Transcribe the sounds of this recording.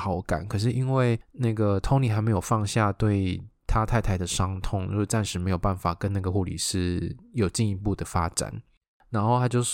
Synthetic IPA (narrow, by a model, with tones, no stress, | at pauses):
xɑ˨˩˦ʊka̰˨˩˦nkʰɤ˨˩ʂ̬ɻ̩˥˩ʔi˦˥nwe˥˩˧ɪna˥˩ɡə˩t̪ʰo˥ŋli˨˩a˧˥me˧˥ɪjo˨˩ʊfɑ˥˧ŋɕja˥˧t̪we˥˩ɪt̪ʰa˥t̪ʰa˥˩ɪt̪ʰa˧˥ɪd̪ə˨ʂɑ˥ŋt̪ʰʊ˥ŋɻu˧˥˧ʈ͡ʂa˥˩nʂɻ̩˧˥me˧˥ɪjo˨˩pa˥˩nfa˨˩kə˦na˥˩ɡə˩xu˥˩lḭ˨˩ʂɻ̩˥˩jo˨˩ʊt͡ɕi˥˧ni˧˥pu˥˩d̪ə˩fa̰˥ʈ͡ʂa̰˨˦n | ɻa˧˥nxo˥˩ʊt̪ʰa˥t͡ɕjo˥˧ʊ˥